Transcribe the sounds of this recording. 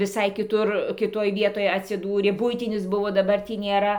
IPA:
ʋʲɪˈsɐɪ kʲɪˈtʊr kʲɪˈtoːj ˈʋʲiɛtoːj ɐtʲsʲɪˈduːrʲeː ˈbʊɪtʲɪnʲɪs ˈbʊʋoː dɐˈbɐr ˈtʲiː nʲeːˈrɐ

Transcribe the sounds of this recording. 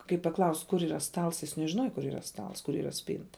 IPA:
kɐɪp pɐˈklˠɐʊsʲtʲ kʊr iːˈrɐ ˈstɐlˠs jɪs nʲɛʒʲɪˈnuɔjɛ kʊr iːˈrɐ ˈstɐlˠs kʊr iːˈrɐ ˈsʲpʲiːntɐ

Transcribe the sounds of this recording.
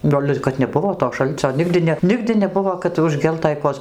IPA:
ˈɡɐlʲ ɪr kɐt nʲɛˈbʊʋoː toː ˈʃɐlʲt͡sʲoː ˈnʲɪɡdʲɪ nʲɛ ˈnʲɪɡdʲɪ nʲɛˈbʊʋoː kɐt ʊʒʲˈɡʲɛlˠtɐɪ ˈkoːjɛs

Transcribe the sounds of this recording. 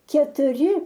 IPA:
kʲɛtʊˈrʲɪ

